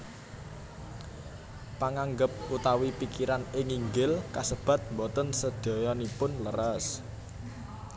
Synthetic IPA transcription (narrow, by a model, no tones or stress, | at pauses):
paŋaŋɡəp̚ut̪awipikiɾanɪŋiŋɡɪlkasəb̥ä̤t̪̚mbɔt̪ənsəd̪̥ɔ̤jɔnipʊnləɾas